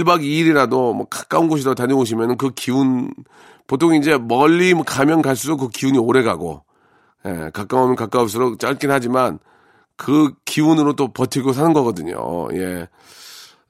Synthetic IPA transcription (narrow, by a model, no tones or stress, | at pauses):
iɭbaɡiɾiɾadomwʌkḁk͈aunɡoɕʰiɾaotaɲʌoɕ̬ʰimjʌnɯnkɯkiun | potʰoŋind͡ʑe̞mʌʎːimʌkamjʌnɡaɭs̬͈udokɯkiuɲioɾe̞ɡaɡo̰ | je̞̰kak͈awamjʌnkak͈aunsʰɯɾokt͡ɕ͈aɭk͈inɦad͡ʑiman | kɯkiunɯɾot͈opʌtʰiɡos̬ʰanɯnɡʌɡʌdɯɲo̰je̞